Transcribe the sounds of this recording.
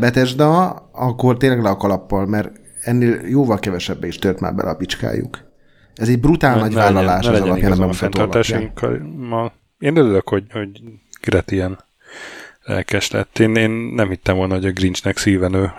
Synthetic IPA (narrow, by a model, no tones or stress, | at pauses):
bɛt̪ɛʒd̪ɒɒkːo̞rt̪eːnlɛɡlɛɒkɒlɒpːɒlmɛr | ɛnːeːljoːvɒlkɛvɛʃɛbːɛiʃt̪ørt̪ma̰ːrbɛ̰lʔɛ̰ɒpit͡ʃka̰ːjṵk | ɛzɛɟ̚brut̪aːlnɒɟvaːlːɒlaːʃɛɛzɒlɒjanɛmbɛmutfɔɛnɒlaːʃjɔiŋkʰːmːɒl | eːnøɾyløkho̞ɟhoɟɡ̥ɾɛt̪iɛn | lɛ̰lkɛʃlɛ̰t̪ːeːneːnːɛmhit̪ːɛmvo̞lnɒɦoɟɒɡrint͡ʃnɛksiːvɛnøː